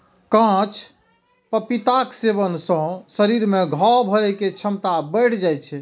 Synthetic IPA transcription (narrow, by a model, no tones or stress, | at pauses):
kãt͡ʃʰ | pəpit̪akseβənsə̃səɾiɾmeɡʱɔwbʱəɾɛket͡ʃʰəmt̪abəjʈʰd͡ʒajt͡ʃʰɛ